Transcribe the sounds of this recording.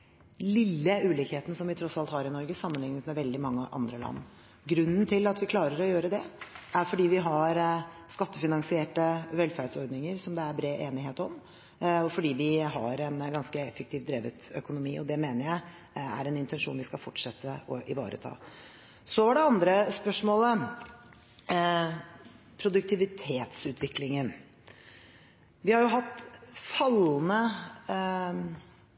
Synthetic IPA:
lɪlːəʉːliːkheːt̪ən̩sɔmʋɪt̪ʰɾɔsɑlt̪hɑːɾɪnɔɾɡəsɑmːənlɪŋnət̪mɛʋɛld̪ɪmɑŋːəʔɑ̰nd̪ɾəlɑ̰nː | ɡɾʉnːnt̪ʰɪlɑt̪ʋɪkʰlɑːɾəɾɔjøːɾəd̪ɛæɾfɔɖiːʋɪɦɑɾskɑt̪ːəfɪnɑŋsɪeːʈəʋɛlfæɖ̪sɔɾɖ̪nɪŋəɾsɔmd̪ɛæɾbɾeːʔeːnɪɦeːt̪ɔm | ɔfɔɖiːʋɪɦɑɾɛnɡɑnskəɛfːɛkt̪ʰiːʋd̪ɾeːʋət̪œ̰kʊnʊmiːʔɔd̪ɛmeːnəɾjæɪ | æ̰ɾɛnɪnt̪ʰɛnʂuːnʋɪskɑfɔʈʂɛt̪ːəʔɔʔɪ̰ʋɑ̰ːɾʔə̰t̪ʰɑ̰ː | sɔʋɑɖɛɑnd̪ɾəspœʂmoːlə | pʰɾʊd̪ʉk̚t̪ʰɪʋɪt̪ʰeːt̪sʉːt̪ʰʋɪklɪŋən | ʋɪhɑɾjʊɦɑt̪ːfɑlnə

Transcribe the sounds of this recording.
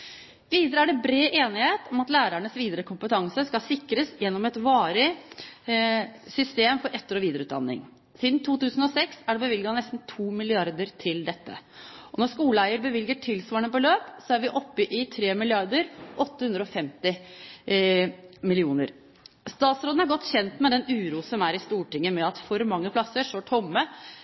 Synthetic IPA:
ʋiːd̪əɾəæɖɛbɾeːʔeːnɪheːt̪ɔmɑt̪læːɾæɳəsʋiːd̪əɾəkʊmpət̪ʰɑŋsəskɑsɪkɾəsjɛnːɔmɛt̪ʋɑːɾɪ | sʏst̪eːmfɔɾɛt̪ːəɾɔʋiːd̪əɾəʉːt̪d̪ɑ̰nːɪ̰ŋ | siːd̪n̩t̪ʰuːt̪ʉːsn̩ɔsɛksæɖɛbəʋɪlɡɑnɛst̪n̩t̪ʰuːmɪlɪɑɾd̪əɾt̪ʰɪld̪ɛt̪ːə̰ʔɔnɔʂkuːləæɪəɾbəʋɪlɡəʈʰɪlsʋɑːəɳəbɔløːpsɔæɾʋɪʔɔpːɪʔɪt̪ʰɾeːmɪlɪɑɾd̪əɾʔɔt̪ːəhʉnd̪ɾəɔfɛmt̪ɪ | mɪlɪuːnəɾ | st̪ɑːt̪sɾoːd̪n̩æɾɡɔt̪ːçɛnt̪mɛd̪ɛnʉːɾuːsɔmæɾɪst̪uːʈɪŋːəmɛɑt̪fɔɾmɑŋːəpʰlɑsːəʂɔʈʰɔmːə

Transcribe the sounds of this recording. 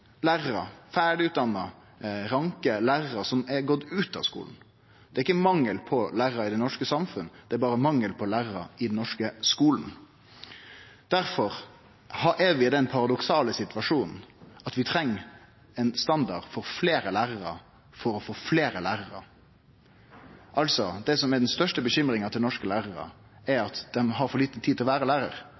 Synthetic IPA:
læːɾəɾɑ̰fæːɖɪʉt̪̚d̪ɑnːə | ɾɑŋkəlæːʁəɾɑsɔmɛɡɔt̪ːʉːt̪ɑ̰ʋskṵːln̩ | d̪̥ɛɾɪkːəmɑŋːəlpʰɔlæːɾɑɪd̪ɛnɔʂkəsɑmfʉnəd̪ɛæɾbɑːɾəmɑŋːəlpʰɔlæːɾɾɑ̰ɪd̪n̩nɔʂkəskuːln̩ | d̪̥æɾfɔɾ | hɑʔɛʋɪd̪ɛnpʰɑɾɑd̪ɔksɑːləsɪt̪ʉʋɑʂuːnn̩ɑt̪ʋɪt̪ʰɾɛŋː | ɛnst̪ɑnd̪ɑdfɔɾfleːɾəlæːʁəɾə̰ | fɔɾɔfoːfleːɾəlæːɾəɾə̰ | ʔɑlsɔd̪ɛsɔmɛɖ̪ɛnst̪œʂʈəbəçʏmɾɪŋɑt̪ʰɪnɔʂkəlæːʁəɾə̰ɛɾɑt̪d̪̥ɛmɦɑɾfɔɾliːt̪ət̪ʰiːd̪ɪlɔʋæːɾəlæːɾəɾ

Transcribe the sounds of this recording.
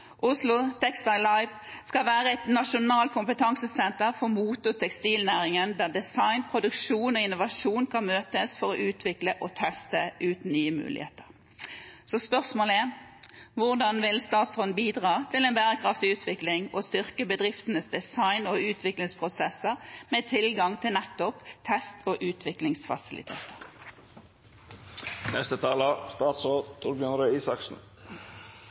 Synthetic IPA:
ʔʊslʊt̪ʰɛkst̪ɑɪlɑɪʋ | skɑlʋæːʁəɛt̪nɑʃʊnɑːlt̪̚kʰʊmpət̪ʰɑŋsəsɛnt̪əʁfɔʁmuːt̪ʊt̪ʰɛkst̪iːlnæːʁɪŋənd̪æːʁd̪ɪsɑɪnpʰʁʊd̪ʉkʂuːnɔɪnːʊʋɑʂuːnkʰɑnmøːt̪əsfɔʁɔʔʉːt̪ʰʋɪkləʔɔt̪ʰɛst̪əʔʉːt̪n̩nyːəmʉ̰ːlɪ̰hḛːt̪əʁ | sɔspœʁsmoːləæʁʋʊʁd̪ɑnʋɪlst̪ɑːt̪sʁɔnbiːd̪ʁɑːt̪ʰɪlɛːnbæːʁəkʰʁɑft̪ɪʉːt̪ʰʋɪklɪŋoːst̪ʏʁkəbəd̪ʁɪft̪ənəsd̪ɛsɑɪnoːʉːt̪ʰʋɪklɪŋspʰʁʊsɛsəʁmeːt̪ʰɪlɡɑŋt̪ʰɪlnɛt̪ːɔpt̪ʰɛst̪ʰoːʔʉːt̪ʰʋɪklɪŋsfɑ̰sɪlɪ̰t̪ʰḛːt̪ə̥ʁ | nɛst̪ət̪ʰɑːləst̪ɑːt̪soːd̪t̪ʰuːɾbjœnɾəiːsɑksn̩

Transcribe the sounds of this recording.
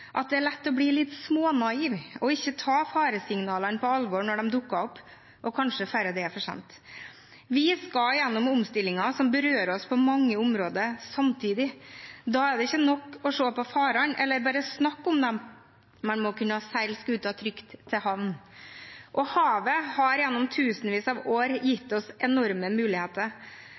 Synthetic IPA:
ʔɑt̪̚d̪ɛæɭɛt̪ːɔbliːlɪt̪smoːnɑiːʋɔɪçːət̪ʰɑːfɑːɾəsɪŋnɑːlənpʰɔɑlʋɔɾɳɔɖɛmd̪ʊkːɑɔpː | ʔɔkʰɑnʂəfæɾəd̪ɛfɔʂɛ̰nt̪ | ʋɪskɑljɛnːɔmʊmst̪ɪlːɪŋɑsɔmbəɾøːɾɔspʰɔmɑŋːəʊmɾoːd̪əɾsɑmt̪ʰiːd̪ɪd̪ɑːæɖɛɪçːənɔkːɔʂoːpɔfɑːɾɑnʔɛlːəɾbɑːɾəsnɑkːɔmd̪ɛm | mːɛnmɔkʰʉnːəhɑsæɪlskʉːt̪ɑt̪ʰɾʏkt̪ʰːɪɦɑʋn | ʔɔhɑːʋəhɑɾjɛnːɔmt̪ʰʉːsənʋiːsɑʋoːɾjɪt̪ːɔsɛnɔɾməmʉːlɪheːt̪əɾ

